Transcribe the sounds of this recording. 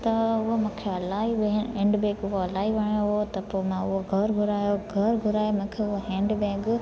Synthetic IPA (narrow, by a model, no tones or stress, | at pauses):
t̪ɐʊɦomũːkʰeɐlaːiʋẽːɳɖbẽːɡʊɦoɐlaːiʋɐɳ̃joɦot̪ɐpoːmãʊɦoɡʱɐɾɡʱʊɾaːjoɡʱɐɾɡʱʊɾaːemũːkʰeʊɦoɦɛ̃ːɳɖbɛ̃ːɡ